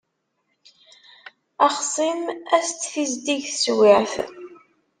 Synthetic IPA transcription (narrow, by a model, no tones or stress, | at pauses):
ɑχsˤimæst̪θizd̪iʝθəswɪʕθ